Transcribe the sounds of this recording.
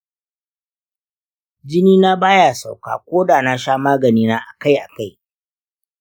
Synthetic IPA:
d͡ʒɪ˦niː˦na˦baː˦ja˨sa̰˨wka̰ː˨kʷoː˦daː˨na˦ʃaː˦maː˦ɡɐ˨niː˦naː˦ʔa˨ka˦jʔa˨ka˦˨j

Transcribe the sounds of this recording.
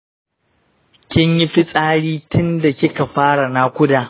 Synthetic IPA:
kʲɪ˦ɲjɪ˦ɸɪ˦sʼaː˦ɽiː˦tʰʊ˦nda˨kʲɪ˦ka˨ɸaː˦ɽa˨na˦kʷʊ˦daː˨

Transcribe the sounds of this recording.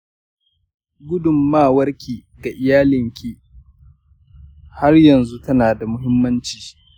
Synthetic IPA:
ɡʷʊ˦dʊ˨mːaː˦˨wɐ˦rkʲiː˨ | ɡa˨ʔɪ˨jaː˦lɪ˨ŋkʲi˦ | ha˦rjɐ˨nzu˦tɐ˦naː˨da˨mʊ˦ɦɪ˦mːɐ˦nt͡ʃiː˨ʃʔ

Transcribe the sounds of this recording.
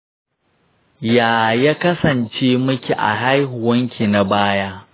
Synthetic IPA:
jaː˨ja˦kɐ˦sɐ˨nt͡ʃeː˦mʊ˦kʲi˨ʔa̰˨ɦa˦jɦʊ˨wɐ˦ŋkʲi˨na˨baː˦jaː˦

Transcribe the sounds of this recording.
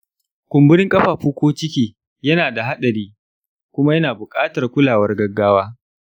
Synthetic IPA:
kʷʊ˨mbʊ˦ɽɪ˦ŋkʼɐ˦ɸaː˨ɸuː˦kʷoː˦t͡ʃɪ˦kʲiː˦ | jɐ˦naː˨da˨ɦa˦ɗɐ˨ɾiː˦ | kʷʊ˦ma˦jɐ˦naː˨bʊ˨kʼaː˦tɐ˨rkʷʊ˦laː˨wɐ˦rɡɐ˦ɡːaː˦waː˦

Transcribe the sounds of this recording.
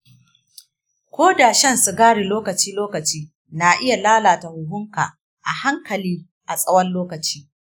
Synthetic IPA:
kʷoː˦da˨ʃɐ˦nsu˨ɡaː˦ɽe˨loː˦kɐ˨t͡ʃiː˦loː˦kɐ˨t͡ʃiː˦ | na˨ʔɪ˦ja˨laː˦laː˨ta˨hʊ˨ɦʊ˦ŋka̰ː˨ | ʔa˨ha˦ŋkɐ˨liː˦ | ʔa˨sʼɐ˦wɐ˦nloː˦kɐ˨t͡ʃi̥ː˦

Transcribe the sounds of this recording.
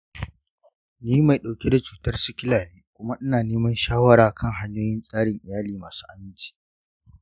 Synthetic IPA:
niː˦ma˨jɗa˨wkʲe˦da˨t͡ʃuː˨tɐ˦rsʊ˦kʲɪ˦laː˨niː˦kʷʊ˦ma˦ʔɪ˦naː˨neː˦mɐ˦nʃaː˦wɐ˦ɽaː˨kʰɐ˦ŋɦa˦ɲjoː˦jɪ˦nsʼaː˦ɽɪ˨ŋʔɪ˨jaː˦liː˨maː˨su̥ː˦ʔa˨mɪ˦nt͡ʃi̥ː˨

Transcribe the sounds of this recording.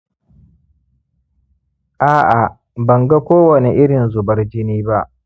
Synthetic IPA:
ʔaː˦ʔa˨ | bɐ˨ŋɡa˦kʷoː˦wɐ˨ne˨ʔɪ˦ɽɪ˨nzʊ˨bɐ˦rd͡ʒɪ˦niː˦ba˦ʔ

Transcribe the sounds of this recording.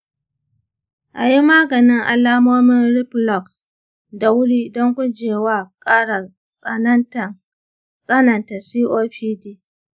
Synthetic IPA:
ʔa̰˨ji˦maː˦ɡɐ˨nɪ˦ŋʔa̰˨laː˦moː˦mɪ˦nɽɪ˦plɔ˨ks | da˨wʊ˦ɽiː˦dɔ˦ŋkʷʊ˦d͡ʒeː˨waː˦˨kʼaː˦ɽa˨ | sʼɐ˨nɐ˦nta˨ŋ | sʼɐ˦nɐ˨nta˨siː˦ʔoː˦ɸiː˦diː˦

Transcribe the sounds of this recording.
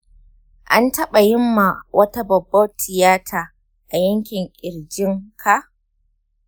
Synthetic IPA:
ʔa˦ntɐ˦ɓa˨jɪ˦mːa˨wʔɐ˦ta˦bɐ˨bːɐ˦tʰɪ˨jaː˦tʰa˨ | ʔa˨jɐ˦ŋkʲɪ˨ŋʔʲʼɪ˨ɽd͡ʒɪ˦ŋkʰa˨ʔ

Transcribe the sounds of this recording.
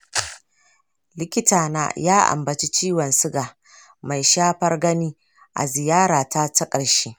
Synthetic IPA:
lɪ˦kʲɪ˦taː˨na̰ː˦jaː˦ʔa̰˨mbɐ˨t͡ʃi˦t͡ʃiː˦wɐ˨nsʊ˦ɡaː˨ | ma˨jʃaː˦ɸɐ˦rɡɐ˦niː˦ | ʔa̰˨zɪ˨jaː˦ɽaː˨ta˦ta˦kʼɐ˨ɽʃeː˦

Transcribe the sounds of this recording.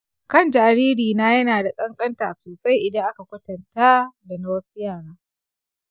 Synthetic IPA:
kɐ˦˨nd͡ʒaː˨ɽiː˦ɽiː˨na˦jɐ˦naː˨da˨kʼɐ˦ŋkʼɐ˦nta̰˨soː˨sa˦jʔɪ˨dɐ˦ŋʔa˦ka˨kʷʊ˦tɐ˨nta˦da˨na˦wɐ˦su˦jaː˦˨ɽaː˦

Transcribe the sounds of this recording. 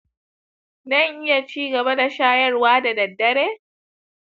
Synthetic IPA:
nɐ˦˨ŋʔɪ˦ja˨t͡ʃiː˦ɡɐ˨ba˦da˨ʃaː˦jɐ˦rwaː˦da˨dɐ˨dːɐ˦ɽeː˦

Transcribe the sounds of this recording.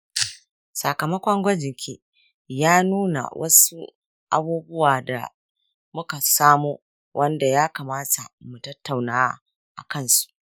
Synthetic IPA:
sa˨kɐ˨mɐ˦kʷɐ˦ŋɡʷɐ˦d͡ʒɪ˨ŋkʲʰe˦ | jaː˦nuː˦na̰˨wʔɐ˦su˦ | ʔa̰˦buː˦bʊ˦waː˨da̰˨ | mʊ˦ka˨saː˦muː˦ | wʔɐ˦nda˨jaː˦ka˨maː˦tʰa˨mu˨tɐ˦tːa˨wnaː˦a˦ | ʔa˨kɐ˦˨nsu̥˨ʔ

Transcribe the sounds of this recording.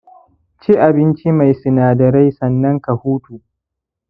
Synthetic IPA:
t͡ʃi˦ʔa˨bɪ˦nt͡ʃi˦ma˨jsɪ˨naː˨dɐ˨ɾa˦jsɐ˨nːɐ˦ŋka˨huː˦tuː˨ʔ

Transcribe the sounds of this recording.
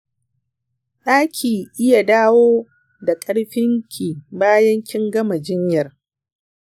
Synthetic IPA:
ɗaː˦kʲʰiː˨ʔɪ˦ja˨daː˦woː˦ | da˨kʼɐ˦ɽɸɪ˦ŋkʲʰi˨baː˦jɐ˦ŋkʲɪ˦ŋɡɐ˦ma˨d͡ʒɪ˦ɲjɐ˨r

